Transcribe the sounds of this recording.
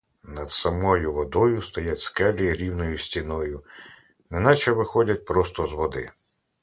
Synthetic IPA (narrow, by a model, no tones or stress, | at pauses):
nɐd̪sɐmɔjʊʋɔd̪ɔjʊst̪ɔjatʲskɛlʲiɾʲiwnɔjʊsʲtʲinɔjʊ | nɛnɑt͡ʃɛʋɪxɔdʲɐt̚ʲpɾɔst̪ɔzʋɔd̪ɪ